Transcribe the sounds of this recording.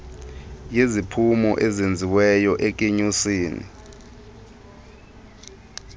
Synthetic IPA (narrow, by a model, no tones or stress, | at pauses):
jezipʰumɔ̰ʔɛzend͡zʱiwɛjɔʔɛk̬ʼeɲusiːnḭ